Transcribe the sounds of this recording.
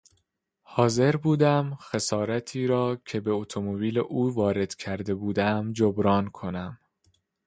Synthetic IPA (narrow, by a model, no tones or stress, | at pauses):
hɒːze̞ɾbuːd̪æmxe̞sɒːɾæt̪ʰiːɾɒːcʰe̞be̞ot̪ʰomobiːleʔuːvɒːɾe̞d̪̥cʰæɾd̪e̞buːd̪æmd͡ʒobɾɒːnkʰo̞næm